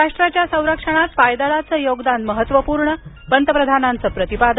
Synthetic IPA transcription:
aʂʈɾat͡ɕjasə̃w̃ɾəkʂəɽ̃at̪pajd̪əɭat͡səːjoɡd̪anməɦət̪ʋəpuːɾɳə | pənt̪əpɾəd̪ʱanant͡səːpɾət̪ipad̪

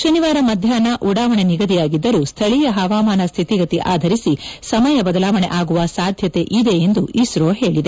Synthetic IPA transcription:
ʃɐniʋaːɾɐmɐd̪ʱjaːnɐʔuɽaːʋɐɳeniɡɐd̪ijaːɡid̪ːɐɾust̪ʰɐɭijɐɦɐʋaːmaːnɐst̪ʰit̪iɡɐt̪iʔa̰ːd̪ʱɐɾisisɐmɐjɐbɐd̪ɐlaːʋɐɳḛʔaːɡuʋɐsaːd̪ʱjɐt̪e̞ʔid̪e̞end̪uʔiʃɾoːɦe̞ːɭid̪e

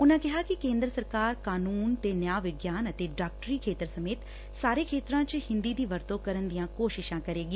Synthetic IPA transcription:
ʊnãkɪɦakikẽːnd̪ɾəsəɾkaːɾkaːnuːnt̪eːnjaːʋɪɡjaːnɐt̪eɖaːk̚ʈəɾiːkʰeːt̪əɾsɐmeːt̪ | saːɾekʰeːt̪ɾãt͡ʃhɪ̃nd̪id̪iːʋɐɾt̪okɐɾənd̪ijãkoːʃɪʃãkɐɾeːɡiː

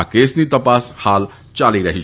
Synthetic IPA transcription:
akesnit̪əpashal | t͡ʃaliɾəɦi

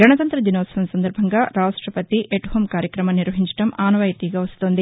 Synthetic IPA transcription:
ɡɐɳɐt̪ɐnt̪ɾɐd͡ʒ̪inɔːsɐʋɐnsɐnd̪ɐɾbʱɐŋɡaːɾaːʂʈɾɐpɐt̪iʔʔeʈuɦɐmkaːɾjɐkɾɐmɐniɾʋɐɦiɲt͡ʃɐ̥ʈɐmaːnɐʋaːjɐt̪iːɡaːʋɐst̪oːnd̪i

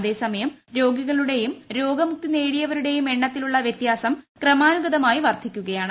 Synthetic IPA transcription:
ðe̞ːsɐmɐjɐmɾo̞ːɡiɣɐɭuɽe̞jumɾo̞ːɡɐmuk̚t̪ine̞ːɽijɐʋɐɾuɽe̞jume̞ɳːɐt̪ːiluɭːɐʋjɐt̪jaːsɐmkrɐmaːnuɡɐðɐmaːjiʋɐrt̪ʰikʲːuɣɐjaːɳ

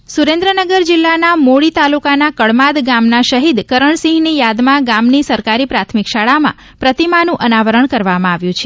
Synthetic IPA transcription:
suɾẽnd̪ɾənəɡəɾd͡ʒɪlːanamoɭit̪alukanakəɭmad̪ɡamnaʃəɦid̪kəɾəɳsĩɦnijad̪mãɡamnisəɾkaɾipɾat̪ʰmikʃaɭamã̰ | pɾət̪imanũʔənaʋəɾəɳkəɾʋamãaʋjũt͡ʃʰe

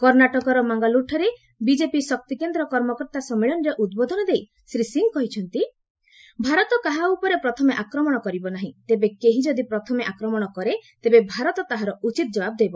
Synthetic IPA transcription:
kɔɾnaʈɔkɔɾɔmaŋɡaluʈʰɔɾe | bid͡ʒepisɔk̚t̪ikend̪ɾɔkɔɾmɔkɔɾt̪asɔmiɭɔnɔɾeʔud̪̚bod̪ʱɔnɔd̪ej | sɾisiŋkɔɦit͡ʃʰɔnt̪i | bʱaɾɔt̪ɔkaɦaupɔɾepɾɔt̪ʰɔmeʔakɾɔmɔɽ̃ɔkɔɾibɔnaɦĩt̪ebekeɦid͡ʒɔd̪ipɾɔt̪ʰɔmeʔakɾɔmɔɽ̃ɔkɔɾet̪ebebʱaɾɔt̪ɔt̪aɦaɾɔut͡ʃit̪ɔd͡ʒɔbab̚d̪ejbɔ

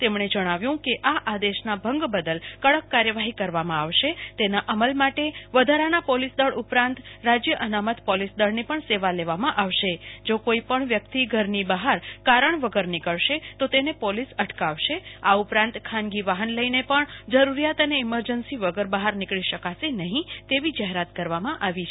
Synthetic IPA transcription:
t̪emɳ̃ed͡ʒəɽ̃aʋjũkeʔaʔad̪eʃnabʱə̃ŋɡbəd̪əlkəɭəkːaɾjəʋaɦikəɾʋamãaʋʃet̪enaʔəməlmaʈeʋəd̪ʱaɾanapɔlisd̪əɭupɾãnt̪ɾad͡ʒjəʔənamət̪pɔlisd̪əɭnepəɳseʋaleʋamãʔaʋʃed͡ʒokoipəɳʋjəkt̪iɡʱəɾnibəɦaɾkaɾəɳʋəɡəɾnɪkəɭʃet̪ot̪enepolisəʈkaʋʃeaupɾãnt̪kʰãnɡiʋaɦənləinepəɳd͡ʒəɾuɾijat̪əneɪməɾd͡ʒənsiʋəɡəɾbəɦaɾnɪkɭiʃəkasenəɦĩt̪eʋid͡ʒəɦeɾat̪kəɾʋamãʔaʋit͡ʃʰe

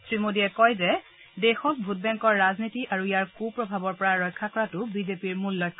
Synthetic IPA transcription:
sɹimodiɛkɔjzɛ | dexɔk̚bʱut̚bɛŋkɔɹːaznitiʔaɹuijaɹkupɹɔbʱabɔɹpɔɹaɹɔjkʰːakɔɹatʊbizepiɹmulːɔjkʰː

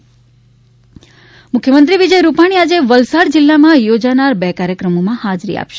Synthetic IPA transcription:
mʊkʰjəmənt̪ɾiʋid͡ʒəjɾupaɽ̃iad͡ʒeʋəlsaɾd͡ʒɪlːamãjod͡ʒanaɾbɛkaɾjəkɾəmomãhad͡ʒɾḭa̰pʃe

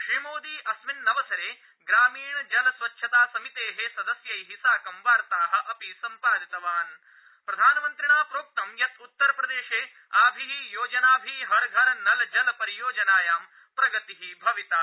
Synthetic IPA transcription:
kʂeːmoːd̪iːʔɐsminːɐʋɐsɐɾeː | ɡɾaːmiːɳɐd͡ʒɐlɐsʋɐtːʃʰɐt̪aːsɐmit̪eːɦesɐd̪ɐsjɐjɦisaːkɐmʋaːɾt̪aːɦɐ̆ʔɐpisɐmpaːd̪it̪ɐʋaːn | pɾɐd̪ʱaːnɐmɐnt̪ɾiɳaːpɾoːk̚t̪ɐmjɐt̪ʰut̪ːɐɾɐpɾɐd̪eːʃeː | aːbʱiɦijoːd͡ʒɐnaːbʱiɦɐɾɡʱɐɾɐnɐlɐd͡ʒɐlɐpɐɾijoːd͡ʒɐnaːjaːm | pɾɐɡɐt̪iɦibʱɐʋit̪aː

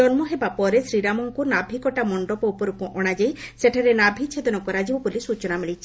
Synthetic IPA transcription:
ɔnmɔɦebapɔɾesɾiɾamɔŋkunabʱikɔʈamɔɳɖɔpɔupɔɾukɔʔɔɽ̃ad͡ʒajseʈʰaɾenabʱit͡ʃʰed̪ɔnɔkɔɾad͡ʒibɔbulisut͡ʃɔnamiɭit͡ʃʰi̥

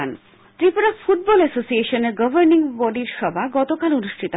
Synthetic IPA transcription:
a̰n | t̪ɾipoɾafuʈ̚bɔlɛsosieʃoneɾɡʌbʱəɾniŋbɔɖiɾʃɔbʱaɡɔt̪okalonuʃʈʰit̪o

